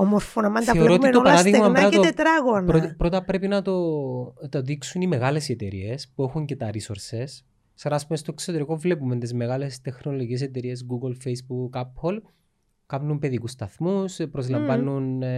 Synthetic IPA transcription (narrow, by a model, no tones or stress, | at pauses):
omoɾfonɐmɐnt̪ɐeotit̪oɐɾɐðiɣmɐnɐt̪oet̪ɾɐɣonpɾopɾo̞t̪ɐpɾe̞pinɐt̪ot̪ɐðiksunime̞ɣɐle̞sie̞t̪e̞ɾḭespue̞xuɲce̞t̪ɐɾisoɾses | ksɐɾɐːspumest̪oe̞ksot̪e̞ɾiko̞vle̞pument̪izme̞ɣɐle̞st̪exno̞loices̬et̪e̞ɾie̞sɡuɡolfejsbukɐpʰol | kɐpnumpe̞ðikust̪ɐθmuspɾozlɐmvɐnun